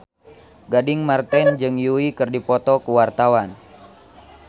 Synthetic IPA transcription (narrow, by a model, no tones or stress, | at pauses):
ɡadiŋmart̪ɛnd͡ʒɨŋjuikɨrdipɔt̪ɔkuwart̪awan